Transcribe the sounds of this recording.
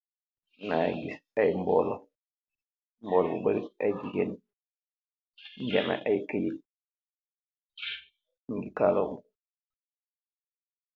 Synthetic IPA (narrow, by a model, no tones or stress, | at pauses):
ŋaɡisajmbɔ̰lɔ | mbɔlɔbṵbaɾiajd͡ʒiɡen | ɲd͡ʒama̰ʔajkaji | ŋɡikalɔu